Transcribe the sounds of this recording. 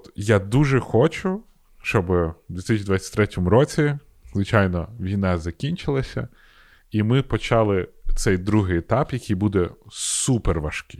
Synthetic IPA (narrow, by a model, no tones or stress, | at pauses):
t̪jad̪uʒɛxɔt͡ʃʊ | ʃt͡ʃɔbɪd̪ʲʋʲit̪ɪsʲt͡ʃʲid̪ʋat͡sʲːɐ̥t̪ɾɛtʲɔmʊɾɔt͡sʲi | zʋɪt͡ʃajnɔʋʲijnɑzɐkʲinʲt͡ʃɪlˠɐsʲɐ̰ | imɪpɔt͡ʃɑlˠɪt̪sɛjd̪ɾuɦɪjet̪ɑpjɐkʰʲijbud̪ɛsuperʋɐʃkɪ̥